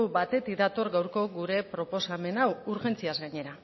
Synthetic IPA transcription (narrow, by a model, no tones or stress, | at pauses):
wbat̪e̞t̪id̪at̪o̞ɾɡawɾko̞ɡuɾe̞pɾo̞po̞same̞nawuɾʝe̞nt͡siazɡaɲe̞ɾa